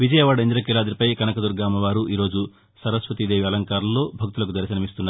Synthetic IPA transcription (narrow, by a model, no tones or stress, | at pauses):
ʋid͡ʒɐjɐʋaːɽɐind̪ɾɐkilaːd̪ɾipɐjkɐnɐkɐd̪uɾɡaːmɐʋaːɾuʔiːɾo̞ːd͡ʒu | sɐɾɐsʋɐt̪id̪eːʋiɐlɐŋkaːɾɐlːo̞ːbʱɐk̚t̪ulɐk̬ud̪ɐɾɐʃɐnɐmist̪unːaːɾ